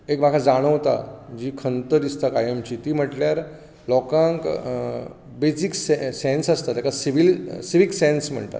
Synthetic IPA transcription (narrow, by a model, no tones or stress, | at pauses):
ekmakʰad͡zaɽ̃əʋt̪a̰d͡ʑiːkʰənt̪əd̪ist̪akajəmt͡ɕiːt̪iːm̤əʈljaɾ | lɔkãŋk | besiksesensəst̪at̪jakʰasiʋilsiʋiksɛ̃nsm̤ə̰ɳt̪a̰t̪